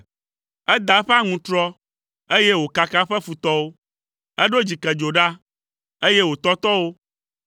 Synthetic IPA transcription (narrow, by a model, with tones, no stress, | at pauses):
ɛ˦d̪a˨˦ɸɛ˦a˦ŋũ˨t̪ɾɔ˦ | e˦je˦wo˨ka˨ka˦ɸɛ˦fu˨t̪ɔ˦wo˦ | ɛ˦ɖo˦d͡ʑi˨kɛ˨d͡ʒo˨ɖa˦ | e˦je˦wo˨t̪ɔ˦t̪ɔ˦wo˦